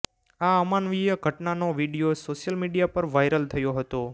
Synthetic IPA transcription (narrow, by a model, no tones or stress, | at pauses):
aəmanʋijəɡʱəʈnanoʋiɽijosoʃjəlmiɽijapəɾʋajɾəlt̪ʰəjoɦət̪o